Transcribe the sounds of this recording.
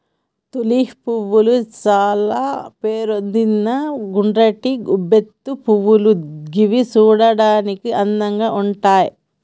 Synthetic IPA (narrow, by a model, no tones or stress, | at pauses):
t̪uliːhpuʋːulut͡ʃaːlaːpeːɾond̪inːɐɡuɳɖɾɐʈiɡubet̪ːupuʋːuluɡiʋit͡ʃuːɽɐɽaːnikiʔɐnːɐŋɡaːʔuɳʈaːji